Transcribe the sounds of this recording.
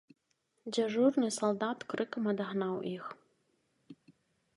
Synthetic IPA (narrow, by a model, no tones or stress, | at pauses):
d͡ʑɐʐurnɨsɐlˠd̪at̪krɨkɨmɐd̪ɐɦnawʔix